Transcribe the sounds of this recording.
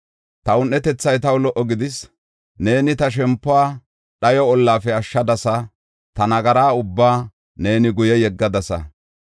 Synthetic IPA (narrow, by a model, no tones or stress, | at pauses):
t̪ɐʊnːɛt̪ɛt͡sːɐjt̪ɐwlɔʔːɔɡɪd̪ɪs | ne̞ːnɪt̪ɐʃ̬ɛmpːʊaː | ɗɐjɔɔlːaːfɛɐʃːɐd̪ɐsɐ | t̪ɐnɐɡɐɾaːʊbːaː | ne̞ːnɪɡʊjɛjɛɡːɐd̪ɐsɐ̰